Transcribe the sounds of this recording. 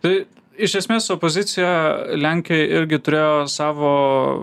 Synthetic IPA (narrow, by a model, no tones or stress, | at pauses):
t̪ɐɪ | ɪʃʲɛsʲmʲeːsopozʲɪt̪sʲɪjɛlʲæŋʲkʲɪjɪɾʲɡʲɪt̪ʊɾʲeːjoːsɑːʋoː